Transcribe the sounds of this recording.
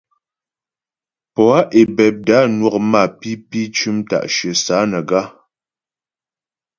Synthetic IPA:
pɔ˨a˦ʔe˨bɛ˨p̚da˨˦nwɔ˦˨k̚ma˦˨pi˦pi˦t͡ʃʉ˦mta̰˨ʔʃɥə˨saː˨˦nə˨ɡa˦

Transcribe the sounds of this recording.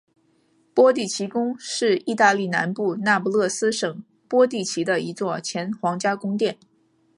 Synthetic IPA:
pwɔ˥t̪i˥˩t͡ɕʰi˧˥kʊ˥ŋʂɻ̩˥˧i˥˧t̪a˥˧li˥˩na̰˧˥npu˥˧na˥˩pu˧˥lɤ˥˩sɹ̩˥ʂɤ˨˩ŋ | pwɔ˥t̪̬i˥˩t͡ɕʰi˧˥d̪ə˧i˧˥t͡swɔ˥˩t͡ɕʰjɛ˧˥nxwɑ˧˥ŋt͡ɕja˥kʊ˥ŋt̪jɛ˥˩n

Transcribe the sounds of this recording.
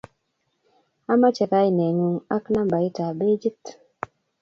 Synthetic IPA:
a˦ma˦t͡ʃɛ˨ka˦i˨nɛ˨ŋu˨ŋa˦kna˦mba˨i˦ta˨be˦d͡ʒi˦t̪

